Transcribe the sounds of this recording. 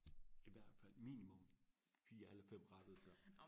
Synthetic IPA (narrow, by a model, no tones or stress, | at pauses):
iʋæɐ̰d̥fæl̰mḭːnimɔm | fiːɐelɐfem̰ʁɑ̈d̥əð̩ˠsɑ̈ɪ